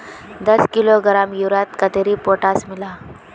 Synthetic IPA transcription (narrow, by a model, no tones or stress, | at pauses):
d̪əskiloɡɾamjuɾat̪kət̪eɾipoʈasmila